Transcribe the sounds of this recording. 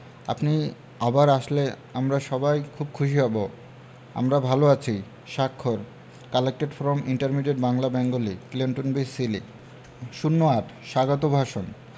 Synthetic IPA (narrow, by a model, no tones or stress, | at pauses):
a̰pni | abaɾaʃle | amɾaʃɔbajkʰub̚kʰuʃiɦɔbo | a̰mɾabʱaloat͡ɕʰij | ʃakʰːoɾ | kalek̚ʈeɖfɾɔmiɳʈaɾmiɖeʈ̚baŋlabɛŋɡoliklinʈonbisili | ʃunːoaʈʃaɡot̪obʱaʃon